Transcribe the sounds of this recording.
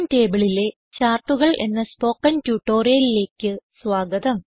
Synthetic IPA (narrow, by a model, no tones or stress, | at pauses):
mte̞ːbiɭile̞ | t͡ɕaːrʈːuɣɐɭʔe̞̰nːɐspo̞ːkːɐntjuːʈːo̞ːrijɐlile̞ːkʲːɨsʋaːɡɐd̪ɐm